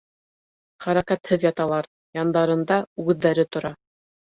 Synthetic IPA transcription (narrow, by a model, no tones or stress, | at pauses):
χæɾækæt̪hɘðjɑt̪ɑlˠɑɾ | jɑnd̪ɑɾɤ̆nd̪ɑʉðːæɾɘt̪ŏɾɑ